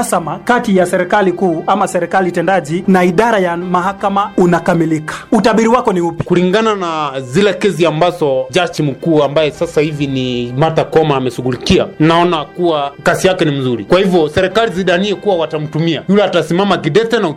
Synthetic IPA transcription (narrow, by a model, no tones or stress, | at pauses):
asamakatijasɛɾɛkalikuːamasɛɾɛkalitɛndaʄinaiɗaɾajamaɦakamaunakamilikḁutaɓiɾiwakɔniupi̥kuliŋɡananazilɛkɛziambazɔʄat͡ʃim̩kuːambajɛsasahivinimat̪akɔmaːmɛʃuɡulikia̰naɔnakuwakasijakɛnim̩zuɾikwahivjɔsɛɾɛkaliziɗaniɛkuwawatam̩tumiajulɛatasimamakiɗɛtɛnau